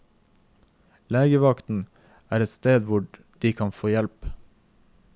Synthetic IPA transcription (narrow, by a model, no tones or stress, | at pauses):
leːɡəʋɑkt̪n̩ | æːɾɛt̪st̪eːd̪ʋʊ | d̥iːkʰɑnfoːjɛlp